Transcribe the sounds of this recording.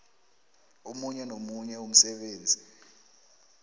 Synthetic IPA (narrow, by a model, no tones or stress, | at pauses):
umuɲɛnomuɲɛum̩sɛɓeːnd͡zʱi